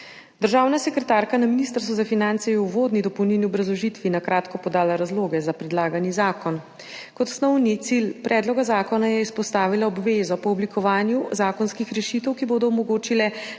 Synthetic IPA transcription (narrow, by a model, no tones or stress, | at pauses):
d̪əɾʒaːwnasɛkɾɛt̪aːɾkanaminiːst̪əɾst̪ʋuzafinant̪sɛjɛuʋoːd̪nid̪ɔpɔwniniɔbɾɐzlɔʒit̪ʋinakɾaːt̪kɔpɔd̪aːlaɾazloːɡɛzapɾɛd̪laːɡanjizaːkɔn | kɔt̪snɔwnit̪silpɾʔɛːd̪lɔɡazaːkɔnajɛispɔst̪aːʋilaɔbʋezɔpɔɔblikʰɔʋaːnjuzaːkɔnskixɾɛʃit̪əwkiboːd̪ɔɔmɔɡoːt͡ʃilɛ